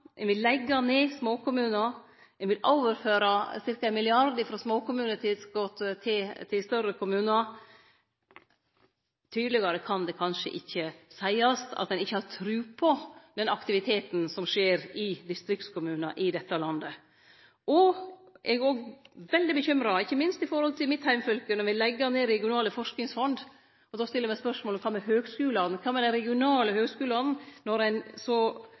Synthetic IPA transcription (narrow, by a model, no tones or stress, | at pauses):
ʔɛnʋɪlːɛɡːɑneːsmoːkʊmʉːnɑ | ɛnʋɪlʔoːʋəɾføːɾɑsɪɾkɑɛɪnmɪlɪɑɾd̪əfɾɑsmoːkʊmʉːnət̪ʰɪsɡot̪t̪ʰɪt̪ʰɪlst̪œɾəkʰʊmʉːnɑ | t̪ʰyːd̪əlɪɡɑɾəkʰɑnd̪ɛkʰɑnʂə̰ʔɪçːəsæɪɑst̪ʰɑ̰t̪̚d̪ɛnɪçːəhɑɾt̪ʰɾʉːpʰɔd̪ɛnɑkt̪ɪʋɪt̪ʰeːt̪n̩sɔmʂeːɾɪd̪ɪst̪ɾɪktskʰʊmʉːnɑʔɪd̪ɛt̪ːəlɑnd̪ə | ʔɔʔɛɡoːɡʋɛld̪ɪbəçʏmɾɑɪçːəmɪnst̪ɪfɔɾhɔlt̪ʰɪlmɪt̪hæɪmfœlkənɔɾʋɪlɛɡːəneːɾɛɡɪʊnɑːləfɔʂknɪŋsfɔnd̪ | ɔd̪ɔst̪ɪlːəɾmæɪspœʂmoːlɔmkʰɑmɛhøːɡskʉːlɑnnkʰɑːmɛd̪æɾɛɡɪʊnɑːləhøːɡskʉːlɑn̩nɔɾæɪnsɔ